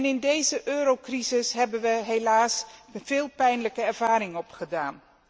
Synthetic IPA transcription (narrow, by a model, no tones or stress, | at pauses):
nɪndejzəʔøːɾowkrizɪsɦɛbənʋəɦejlaːsv̥ɪːlˠpɛjnləkəɛɹvaːɾɪŋɔpχədaːn